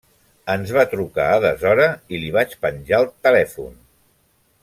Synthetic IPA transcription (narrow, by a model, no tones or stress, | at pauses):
ənzβat̪ɾuka̰aðəzɔɾəiliβ̞at͡ʃpənʲʒalˠt̪əlɛfṵn